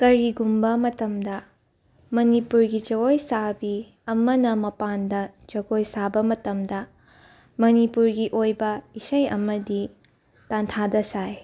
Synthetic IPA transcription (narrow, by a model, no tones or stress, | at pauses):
kɐɾiɡumbɐmɐtɐmdɐ | mɐnipuɾɡid͡ʒɐɡojsabi | ɐmɐnɐmɐpandɐt͡ʃɐɡojsabɐmɐtɐmdɐ | mɐnipuɾɡiʔojbɐisɐjɐ̰mɐdi | tantʰadɐsaj